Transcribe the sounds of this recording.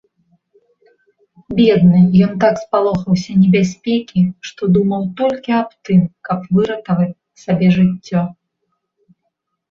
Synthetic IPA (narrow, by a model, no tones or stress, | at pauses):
bʲɛd̪nɨjɔnt̪akspalˠɔxɐwsʲɐnʲɛbʲasʲpʲɛkʲiʂt̪ɔd̪umɐwt̪ɔlʲkʲiapt̪ɨmkɐpvɨɾɐt̪ɐvɐt͡sʲ | sabʲɛʐɨt͡sʲːɔ